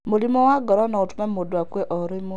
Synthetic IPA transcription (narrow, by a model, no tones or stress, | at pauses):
mulimɔwaɡɔɾɔnɔutumemudwakweʔoɾimu